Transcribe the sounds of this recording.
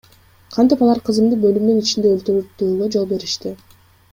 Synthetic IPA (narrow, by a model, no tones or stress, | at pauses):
qʰɑnt̪ipɑlˠɑɾqʰɯzɯmd̪ɯbø̞lymnynit͡ʃind̪eølt̪yɾyɾt̪ːuːlˠod͡ʒolˠbe̞ɾiʃt̪i